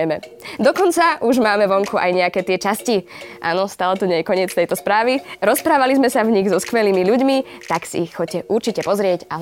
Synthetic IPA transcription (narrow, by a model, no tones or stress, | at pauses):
mɛd̪ɔkɔnt͡saʔuʒmaːmɛʋɔŋkuʔa̰jɲɛakɛːt̪ɪɛt͡ʃasciʔa̰ːnɔst̪aːlɛt̪uɲɛjɛkɔɲɪɛt͡st̪ɛjt̪ɔspɾaːʋiɾɔspɾaːʋalizmɛsavɲiɣzɔskʋɛliːmiʎuɟmit̪aksḭːxxɔcːɛʔuɾt͡ʃicɛpɔzɾɪɛca